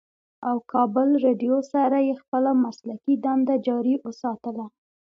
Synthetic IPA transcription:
awkʰɑbəlɾeɖjosaɾajexpəlamaslakid̪and̪ad͡ʒɑɾiwosɑt̪əla

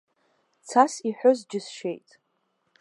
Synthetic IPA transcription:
t͡sʰasiħʷᶣozd͡ʒɪsʃe̞jtʼ

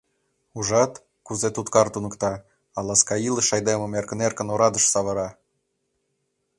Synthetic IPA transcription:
uʒɑt̪ | kuzet̪ut̪kɑrt̪unɤ̆kt̪ɑ | ɑlˠɑskɑiləʃɑjd̪emə̆merkə̆nerkə̆noɾɑd̪ə̆ʃsɑβəɾɑ

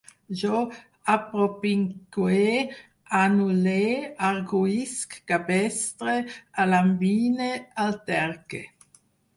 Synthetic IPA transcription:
ʒo | apɾopiŋɡwe | anuleːaɾɡuiskkabɛst̪ɾealambiːnealt̪ɛɾkḛ

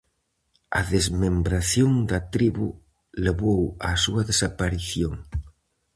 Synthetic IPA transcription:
ɐ̰ðezmembɾaθjoŋd̪ɐt̪ɾiβṵ | leβowɐ̰suɐðesapaɾiθjoŋ

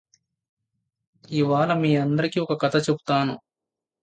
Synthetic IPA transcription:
iʋaːlɐmiːɐnd̪ɐɾikiːɔkɐkɐt̪ʰɐt͡ʃebu̥t̪aːnu

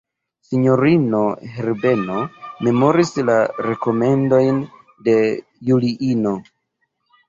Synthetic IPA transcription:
siɲo̞ɾino̞ɦeɾbe̞no̞me̞mo̞ɾislaɾe̞ko̞me̞ndo̞jn | de̞ | juliʔino̞

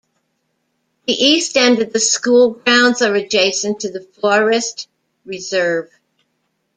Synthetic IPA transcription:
ðiʔistɛ̃ndɨd̪̚ðɨskulˠɡɹãʊ̃ndzə˞ɨd͡ʒeɪsɨ̃ntʰɨðɨfɔɹɨst | ɹɨzɜ˞v̥

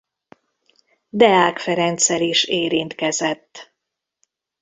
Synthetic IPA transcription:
d̪ɛaːkfɛɾɛnt̪sɛliʃeːɾint̪kɛzɛt̪ː

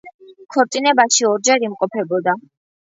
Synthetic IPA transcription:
kʰɔɾt̪ʼinɛbaʃiɔɾd͡ʒɛɾimqʼɔpʰɛbɔd̪a

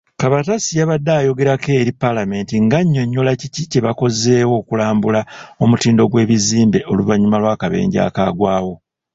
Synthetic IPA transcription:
kaβatasijaβadːaːjo̞ɡe̞ɾakeɾipːalame̞ntiŋɡaɲːo̞ɲːo̞laciciceβako̞ze̞ːwo̞ːkulaːmbulao̞mutiːndo̞ɡwe̞ːβiziːmbe̞ʔo̞luvaɲːumalwaːkaβe̞̰ːɲɟa̰ːkaːɡwaːwo̞

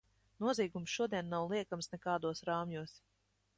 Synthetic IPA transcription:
nuɔziːɡumsʃuɔd̪iɛnːawlˠiɛkamsnɛkaːd̪uɔsɾaːmjuɔs

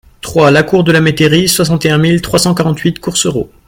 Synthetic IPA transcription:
t̪χwalakuʁd̪əlamet̪eʁiswasɑ̃t̪eɛ̃milt̪χwasɑ̃kaʁɑ̃t̪ɥit̪kuʁsøʁo̰

